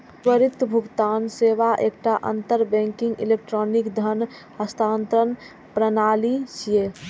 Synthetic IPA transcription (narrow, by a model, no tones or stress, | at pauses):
ʋəɾɪt̪bʱʊɡt̪aːnseːʋaʔeːkʈaʔə̰nt̪əɾbɛ̃ːŋkɪ̃ŋɡḭleːk̚ʈɾɔːnɪkd̪ʱən | həst̪ʰaːnt̪ɾən | pɾənaːlit͡ʃʰijeː